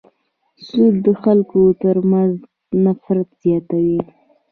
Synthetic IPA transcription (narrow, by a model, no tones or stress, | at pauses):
sud̪ːəxalkot̪əɾmanz | nafɾat̪z̥jɑt̪awi